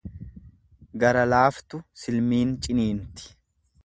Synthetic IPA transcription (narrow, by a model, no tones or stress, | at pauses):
ɡɐɾɐlaːft̪ʊsɪlmiːnt͡ʃʼɪniːnt̪ɪ̥